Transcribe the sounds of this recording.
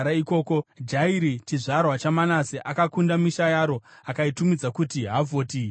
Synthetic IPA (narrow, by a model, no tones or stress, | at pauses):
aiko̞ːkod͡ʒaiɾit͡ʃiʐarwat͡ʃamanaseʔakakundamiʃajaːɾo̞akaitumid͡zakutiɦavoːti